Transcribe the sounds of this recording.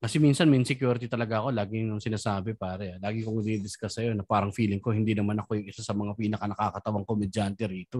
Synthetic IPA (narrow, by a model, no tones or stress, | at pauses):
kɐsɛmiːnsɐnminsɪkjuɾt̪it̪ɐlɐɡaʔɐko̞laːɡɪŋʊŋsɪnaːsaːbɛpaːɾɐalaːɡɪkʊŋɪd̪ibɪskɐsɐjo̞nɐpaːɾɐŋfiːlɪŋko̞hɪnd̪iːnɐmanɐko̞jʊŋɪsasɐmɐŋapiːnɐkɐnɐkaːkɐt̪ɐwɐŋkomɪd͡ʒant̪ɛɾiːt̪o̞